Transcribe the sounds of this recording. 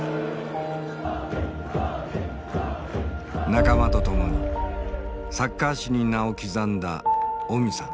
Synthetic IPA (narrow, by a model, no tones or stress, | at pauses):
nakamat̪o̞t̪o̞mo̞ɲ̟i | sakːaɕiɲ̟inaokʲizãnd̪a̰omʲisã̰